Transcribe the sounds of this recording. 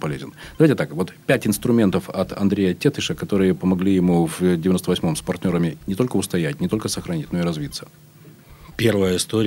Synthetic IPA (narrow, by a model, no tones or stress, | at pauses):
pɐlʲezʲɪ̰nd̪ɐvajʲtʲɪt̪akvo̞t̪pʲætʲɪnst̪ɾʊmʲe̞nt̪əfɐt̪ʰɐ̰nd̪ɾʲejətʲet̪ɨʂəkɐt̪o̞ɾɨjəpəmɐɡlʲijɪmuvdʲɪvʲɪnost̪əvɐsʲmo̞mspɐrtʲnʲo̞ɾəmʲɪnʲɪt̪o̞lʲkəʊst̪ɐjætʲnʲɪt̪o̞lʲkəsəxɾɐnʲitʲno̞ɪɾɐzvʲit̪sə̥ | pʲervəjəɪst̪oɾʲ